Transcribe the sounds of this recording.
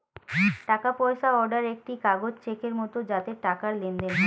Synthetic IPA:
ʈakapɔjʃaɔɾɖaɾek̚ʈikaɡod͡ʑt͡ɕekeɾmɔt̪od͡ʑat̪eʈakaɾlend̪en

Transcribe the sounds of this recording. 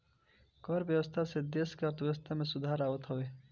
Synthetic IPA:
kɔɾbjəwəst̪ʰased̪eskəɾt̪ʋjewəst̪ʰamesud̪ʱaːɾaːwət̪ɦɔwe

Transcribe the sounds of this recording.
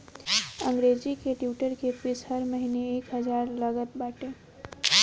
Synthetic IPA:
ə̃ŋɡɾed͡ʒikeʈjuːʈəɾkepɪsɦəɾməɦineeːkɦəd͡ʒaːɾləɡət̪̚baːʈeː

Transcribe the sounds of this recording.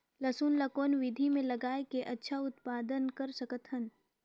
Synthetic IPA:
lɐsuːnlɐkoːnʋɪd̪ʱimẽlɐɡaːekeʔɐtːʃʰaʊt̪paːd̪ənkɐɾsɐkət̪ʰən

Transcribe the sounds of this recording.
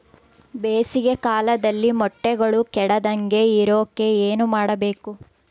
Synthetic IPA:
beːsiɡekaːlɐd̪ɐlːimɔʈːɛɡɐɭukɛɽɐd̪ɐŋɡe̞iɾoːkːe̞eːnumaːɽɐbe̞ːku

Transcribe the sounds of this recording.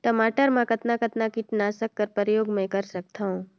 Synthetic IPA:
t̪əmaʈəɾmãkət̪nakət̪nakɪʈnasəkːəɾpəɾjoːɡmə̃jkəɾsək̚t̪ʰaõ

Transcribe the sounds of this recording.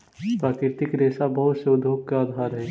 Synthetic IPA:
pɾaːkɾɪɾt̪ɪkɾeːsabɐɦʊt̪ʃoːd̪ʱoːkkaaːd̪ʱaːɾɦɛː

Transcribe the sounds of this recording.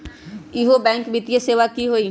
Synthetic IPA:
iɦobɛ̃ːŋkbɪt̪ijeseːʋakiɦoːi

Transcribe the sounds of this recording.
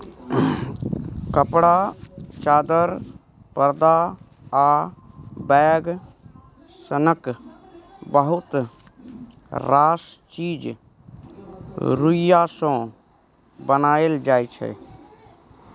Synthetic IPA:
kəpɽat͡ʃaːd̪əɾ | pəɾd̪a | aː | bɛːɡ | sənək | bəɦʊt̪ | ɾaːst͡ʃiːd͡ʒ | ɾuɪjasõ | bənaːeld͡ʒaːet͡ʃʰɛ̰

